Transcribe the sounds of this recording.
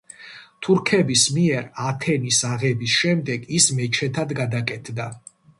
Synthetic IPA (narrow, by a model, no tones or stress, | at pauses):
t̪ʰuɾkʰɛbismiɛɾat̪ʰɛnisaʁɛbisʃɛmd̪ɛɡismɛt͡ʃʰɛt̪ʰad̪ɡad̪akʼɛt̪ʰd̪a